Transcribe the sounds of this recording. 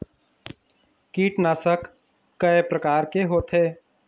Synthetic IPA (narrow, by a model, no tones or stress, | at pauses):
kiːʈnaːsəkː | əepɾɐkaːɾkeɦoːt̪ɦeː